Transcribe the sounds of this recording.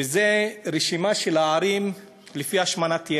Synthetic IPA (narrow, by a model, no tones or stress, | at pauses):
ezeʁeʃimaʃelaːɾim | lefiaʃmanat̪je